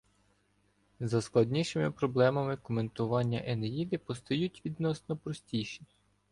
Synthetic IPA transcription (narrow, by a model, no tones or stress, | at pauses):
zɐsklˠɐdʲnʲiʃɪmɪpɾɔblˠɛmɐmɪkɔme̞nt̪ʊʋɑnʲːɐʔenejid̪ɪpɔst̪ɔjutʲʋʲid̪nɔsnɔpɾɔsʲtʲijʃi